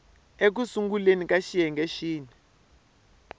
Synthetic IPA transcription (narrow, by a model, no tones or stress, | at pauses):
ek̬usuŋɡulenikaʃijɛŋɡɛʃiːnɛ